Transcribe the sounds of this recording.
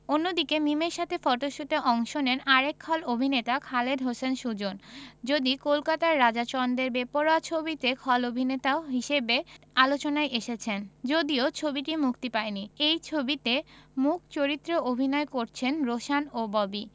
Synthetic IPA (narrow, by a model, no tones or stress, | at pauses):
onːod̪ikemimeɾʃat̪ʰefɔʈoʃut̪eʔɔŋʃonenaɾekʰːɔlobʱinet̪akʰaled̪ɦosenʃud͡ʑond͡ʑod̪ikolkat̪aɾːad͡ʑat͡ɕɔnd̪eɾbepoɾat͡ɕʰobit̪ekʰɔlobʱinet̪aoɦiʃebealot͡ɕonaeʔeʃet͡ɕʰend͡ʑod̪iot͡ɕʰobiʈimukt̪ipaeniejt͡ɕʰobit̪emuk̚ʰt͡ɕoɾit̪ːɾoʔobʱinɔekoɾt͡ɕʰenɾoʃanobɔbi